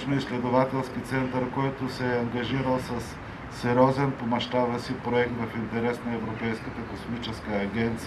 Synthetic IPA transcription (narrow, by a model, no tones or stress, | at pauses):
noislɛd̪ovat̪ɛlˠskit̪sɛnt̪əɾkɔjt̪osɛɐŋɡɐʒiɾəlˠsɐsː | ɛɾʲɔzɛnpomɐʃt̪abəsipɾoɛk̚t̪vɐfint̪ɛɾɛsnɐɛvɾopɛjskət̪əkosmit͡ʃɛskəːɡʲɛnt̪s